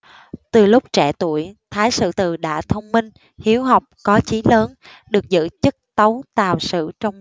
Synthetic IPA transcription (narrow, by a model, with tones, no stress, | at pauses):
t̪ɨ˨˩lʊ˦˥k͡p̚t͡ɕɛ˧˩t̪u˧˩əjt̪ʰaː˨˦jsɨ̰˧˨t̪ɨ˨˩ɗa̰ː˧˩˨t̪ʰə˧wŋ͡mmi˧ŋ | hi˨˦əwɦɔ˨˩wk͡p̚kɔ˨˦t͡ɕi˨˦ləː˨˦nɗɨ˨˩ək̚zɨ̰˧˨t͡ɕɨ˦˥k̚t̪ə˨˦wt̪aː˨˩wsɨ̰˧˨t͡ɕɔ˧wŋ͡m